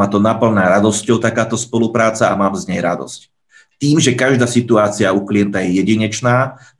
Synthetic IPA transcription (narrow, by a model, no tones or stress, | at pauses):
at̪ɔnapl̩naːɾad̪ɔscɔʊt̪akaːt̪ɔspɔlupɾaːt͡saamaːmzɲɛjɾad̪ɔ̰sc | t̪iːmʒɛkaʒd̪aːsit̪uaːt͡siaukliɛnt̪ajɛjɛɟiɲɛt͡ʃnaː